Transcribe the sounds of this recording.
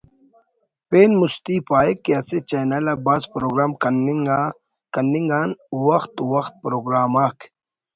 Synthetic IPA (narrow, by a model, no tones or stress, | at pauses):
peːnmust̪ipaːekːiɐset͡ɕɐnɐlɐbaːzpɾoːɡɾaːmknŋ | kɐnːiŋɡaːnwɐxt̪wɐxt̪̚pɾoːɡɾaːmakʰ